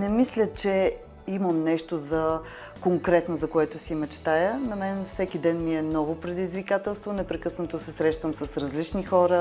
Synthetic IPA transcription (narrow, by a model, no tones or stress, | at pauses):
nɛmislʲət͡ʃɛ | iməmnɛʃt̪ozɐ | koŋkɾɛt̪nozɐkoɛt̪osiimɛt͡ʃɛ̥t̪ajənɐmɛnfsɛkid̪ɛnmiɛnɔvopɾɛd̪izvikat̪ɛlˠst̪vonɛpɾɛkɤsnɐt̪osɛsɾɛʃt̪əmsɐsɾɐzlit͡ʃnixɔɾə